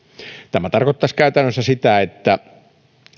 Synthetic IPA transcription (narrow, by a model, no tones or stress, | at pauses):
t̪æmæt̪ɑrkot̪ːɑskæyt̪ænːøsːæsit̪æet̪ːæ